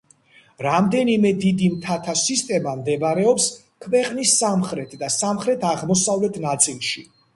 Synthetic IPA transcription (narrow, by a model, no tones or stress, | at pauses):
ɾamd̪ɛnimɛd̪id̪imt̪ʰat̪ʰasist̪ʼɛmamd̪ɛbɾɛɔps | kʰvɛqʼnisːamχɾɛt̪ʰd̪asamχɾɛt̪ʰaʁmɔsavlɛt̪ʰnat̪sʼilˠʃi